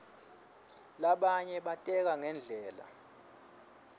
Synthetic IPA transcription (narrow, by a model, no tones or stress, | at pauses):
laɓaɲɛɓatʼɛk̬aŋɛnd͡ɮʱɛːla̰